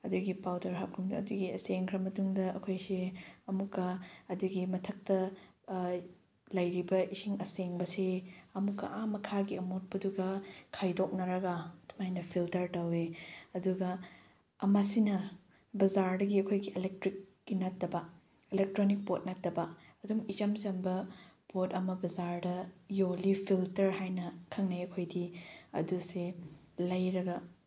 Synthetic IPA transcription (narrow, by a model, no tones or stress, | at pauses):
ɐduɡipawdɐɾɦap̚kʰumduɐ̰duɡiɐseŋkʰɾɐmɐtuŋdɐɐkʰojsiɐmukːɐɐduɡimɐtʰɐk̚tɐ | lɐjɾibɐisiŋɐseŋbɐseɐmukːɐ̰ʔamɐkʰaɡiɐmut̚bɐduɡɐkʰajdok̚nɐɾɐɡɐtʰmajnɐpʰiltɐɾtɐweɐduɡɐː | masinɐ | bɐzaɾdɐɡiɐkʰojɡielek̚tɾik̚ːinɐtːɐbɐ | elek̚tɾonik̚bot̚nɐtːɐbɐ | ɐduŋit͡ʃɐmzɐmbɐ | botɐmɐbɐzaɾdɐjolipʰiltɐɾhajnɐkʰɐŋnɐjɐkʰojdiɐ̰duselɐjɾɐɡɐ